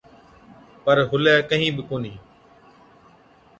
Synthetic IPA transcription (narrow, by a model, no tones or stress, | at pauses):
pəɾɦʊlɛːkəɦĩːbɪkoːnĩː